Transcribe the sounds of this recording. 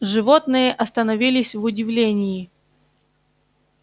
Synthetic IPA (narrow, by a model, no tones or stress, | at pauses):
ʐɨvot̪nɨjəʔɐst̪ənɐvʲilʲɪsʲvʊdʲɪvlʲenʲɪɪ